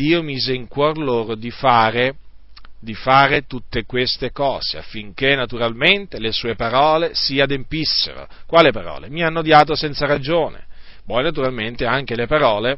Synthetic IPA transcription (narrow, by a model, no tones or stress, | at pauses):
d̪iːomiːzeiŋkwɔrloːɾod̪ifaːɾe | d̪ifaːɾet̪ut̪ːekwest̪ekɔːz̥ea̰fːiŋkenːat̪uɾalment̪elesuːepaɾɔːlesiad̪empisːḛɾo̰kwaːlepaɾɔ̰ːlemianːod̪jaːt̪̬osɛnt̪saɾad͡ʒoːnḛ | pɔjnat̪̬uɾalment̪eaŋkelepaɾɔːle